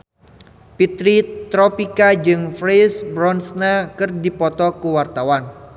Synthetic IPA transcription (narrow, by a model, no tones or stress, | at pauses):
pit̪ɾit̪ɾɔpikad͡ʒɨŋfɾesbɾɔnsnakɨrdipɔt̪ɔkuwart̪awan